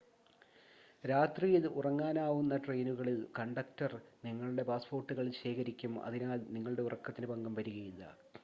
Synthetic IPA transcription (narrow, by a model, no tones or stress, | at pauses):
ɾaːt̪riːjiðɨʔurɐŋːaːnaːʋunːɐʈrejnuɣɐɭilkɐɳɖɐk̚tɐrniŋːɐɭuɽe̞paːspoːrʈːuɣɐɭilɕe̞ːkɐɾikʲːumɐ̰ðinaːlniŋːɐɭuɽe̞urɐkːɐt̪ːinɨpɐŋɡɐmʋɐɾiɣɐjilːɐ̰